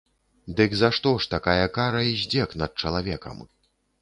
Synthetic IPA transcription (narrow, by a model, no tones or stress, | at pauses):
d̪ɨɡzaʂt̪ɔʂt̪akajɐkaɾɐizʲd͡zʲɛknɐt̪̚t͡ʂɐlˠavʲɛkɐ̰m